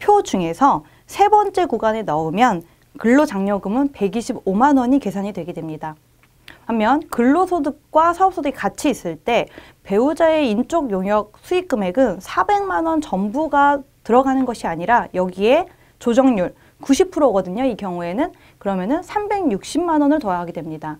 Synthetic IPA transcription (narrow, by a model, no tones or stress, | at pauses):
pʰjod͡ʑuŋe̞sʰʌ | sʰe̞bʌnt͡ɕ͈e̞kuɡanenʌɯmjʌn | kɯɭːod͡ʑaŋɲʌɡɯmɯnpe̞ɡiɕʰibomanwʌɲike̞sʰaɲidwe̞ɡedwemɲida | hamːjʌnkɯɭːosʰodɯk̚k͈wasʰaʌp̚s͈ʰodɯikat͡ɕʰiːs͈ɯɭt͈e̞ | pe̞ud͡ʑae̞int͡ɕ͈oɡjoŋɦjʌk̚sʰuik͈ɯme̞ɡɯnsʰabe̞ŋmanwʌnt͡ɕʌmbuɡa | tɯɾʌɡanɯnɡʌɕʰiaɲiɾajʌɡie̞ | t͡ɕod͡ʑʌŋɲuɭ | kuɕʰipʰuɾoɡʌdɯɲoikjʌŋue̞nɯn | kɯɾʌmjʌnɯnsʰambe̞ŋɲuk̚ɕ͈imːanwʌnɯɭtoɾaɦaɡedwemɲida